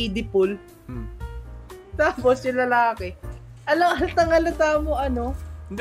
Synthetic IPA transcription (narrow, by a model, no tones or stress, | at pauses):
id̪ɪpʊl | t̪aːposjʊlɐlaːkɛʔɐlɐŋʔɐlt̪ɐŋɐlɐt̪aːmoʔɐno